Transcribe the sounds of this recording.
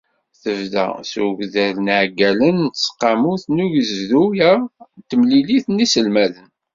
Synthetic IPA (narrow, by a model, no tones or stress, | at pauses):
θəvðæ̰sṵʝðælnʕɡælənt̪sqːɑmuθnuʝəzðujæt̪ːəmliliθnisəlmæðən